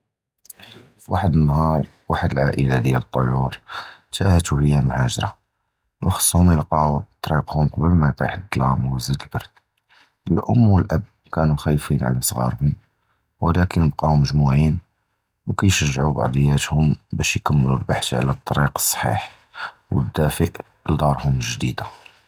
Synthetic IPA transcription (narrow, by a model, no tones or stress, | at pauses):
fiwaħəd̪ənːɦɑɾˤ | waħəd̪əlʕaʔəlad̪jælət̪ˤːojuɾt̪æhət̪uhəjːæmhæʒɾˤɑ | wxɑ̥sˤːhʊmjəlqɑut̪ˤːɾiqhʊmqɑbəlmæjqa̰ħəd̪ːlɑməzəd̪əlbɑɾˤd̪̚ | ʔəlʔʊ̰mːwəlʔəb̚ | kænuxæjːfinʕa̰læsˤɣɑ̰ɾˤhʊm | wəlækənəb̚qɑʊməʒmuʕin | wkæjʃəʒːʕubɑ̰ʕd̪ˤəjːæt̪hʊmbæʃjkæmːəlulbaħt̪ʕa̰læt̪ˤːɑɾiqə̥sˤːħḭħ | wə̰d̪ːæfəʔ | ld̪ˤɑɾˤhʊməʒd̪id̪a